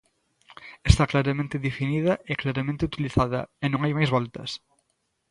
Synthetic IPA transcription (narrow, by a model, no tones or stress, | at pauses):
est̪aklaɾɐmẽnt̪eðefiniðɐʔeklaɾɐmẽnt̪eut̪iliθaðɐ̰enõŋajmajzβɔlt̪ɐ̰s